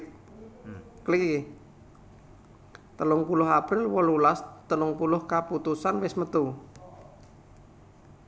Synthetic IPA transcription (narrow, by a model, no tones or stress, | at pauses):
kəlik | t̪əlʊŋpulʊɦapɾɪlwɔlulast̪əlʊŋpulʊhkaput̪usanwɪsmət̪u